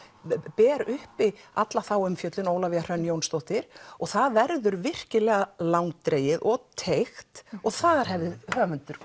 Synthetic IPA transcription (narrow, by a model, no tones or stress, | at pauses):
pɛːɾʏhpɪat̪laθawʏmfjœt̪lɪnowlavɪar̥œnːjownst̪owht̪ɪɾ̥ɔɣθaðvɛɾðʏɾvɪr̥cɪlɛːɣalawŋt̪ɾeːjɪðʔɔɣt̪ʰejxt̪ɔɣθaðaɾ̥hɛvðɪhœːvʏnt̪ʏɾ̥